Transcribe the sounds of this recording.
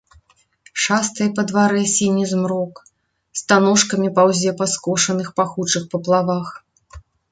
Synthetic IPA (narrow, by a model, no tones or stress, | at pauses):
ʂast̪ɨjɐpɐd̪vaɾɛsʲinʲizmɾɔk | st̪anɔʂkɐmʲipawzʲɛpɐskɔʂɐnɨxpaxut͡ʂɨxpɐplˠavax